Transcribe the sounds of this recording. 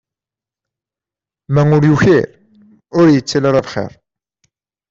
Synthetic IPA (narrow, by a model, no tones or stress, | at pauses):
mæŋʊɾjuçiɾ | ʊɾjət͡sːælaɾˤavχḛɾˤ